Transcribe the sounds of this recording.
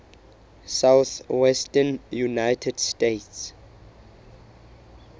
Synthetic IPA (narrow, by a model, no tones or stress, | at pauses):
sawθwɛstənjunajtʰɛdstets